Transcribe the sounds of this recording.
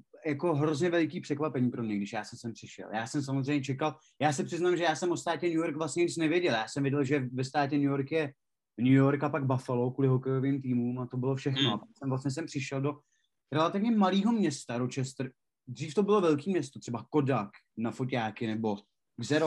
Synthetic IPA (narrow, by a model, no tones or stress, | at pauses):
jako̞ɦɾozɲɛvɛlɪkiːpr̝̥ɛkvapɛɲiːpɾo̞mɲɛɡdɪʃjaːsɛmsɛmpr̥ɪʃɛ̰ljaːsɛms̬amozrɛjɲɛt͡ʃɛkal | jaːsɪpr̥ɪznaːmʒɛjaːsɛmʔost̪aːcɛnujoɾkvlasɲɛɲɪt͡snɛvjɛɟɛljaːsɛmvjɪɟɛlʒɛvɛst̪aːt̪ɛnujo̞ɾkjɛ | nujoɾkapaɡ̚bafalokuːlɪɦokɛjo̞vɪmt̪iːmumat̪o̞bɪlo̞fʃɛxnoapaksɛmvlasɲɛs̬ɛmpr̥ɪʃɛldo̞ | ɾɛlat̪ɪvɲɛmaliːɦo̞mɲɛst̪aɾot͡ʃɛst̪r | d̪riːft̪obɪlo̞vɛlkiːmɲɛst̪o̞t̪r̥ɛbakodak | nafocaːkɪnɛbo̞ | ɡzɛɾo